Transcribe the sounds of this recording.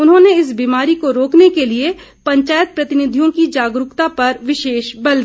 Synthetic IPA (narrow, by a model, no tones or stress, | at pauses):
ʊnɦõːneɪs̬biːmaːɾikoɾoːknekelie | pɐ̃ɲt͡ʃaːjət̪̚pɾɐt̪ɪnɪd̪ʱijõkid͡ʒaːɡɾʊkt̪apɐɾʋɪʃeːʃbɐld̪